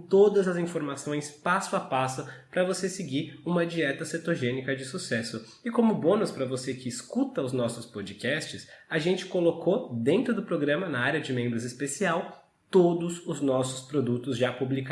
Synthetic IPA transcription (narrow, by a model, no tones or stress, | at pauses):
t̪od̪ɐzɐzĩfoɾmasõj̃spasʊapasʊpɾɐvosesɪɡiɾũmɐd͡ʒiɛt̪ɐset̪oʒẽnikɐd͡ʒɪsusɛsʊ | ɪkõmʊbõnʊspɾɐvosekɪːskut̪ɐʊznɔsʊspod͡ʒikɛst͡ʃɪsɐʒẽnt͡ʃɪ̥kolokʰod̪ẽnt̪ɾʊd̪ʊpɾoɡɾɐ̃mɐnɐaɾʲɐd͡ʒɪmẽmbɾʊzɪspesiaw | t̪od̪ʊzʊznɔsʊ̥spɾod̪ut̪ʊzʒapublika